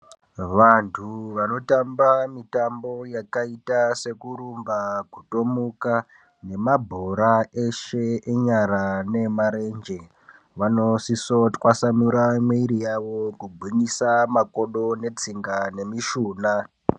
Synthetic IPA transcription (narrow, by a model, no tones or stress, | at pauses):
ʋantʰuʋano̞tambamitambo̞jakaitase̞kuɾumbakuto̞muka | ne̞mabʱoɾae̞ʃe̞eɲaɾane̞maɾe̞nd͡ʒe̞ | ʋano̞sisotwasamuɾamweiɾijaʋokubʱiɲisamako̞ɗo̞ne̞t͡siŋɡane̞miʃuːna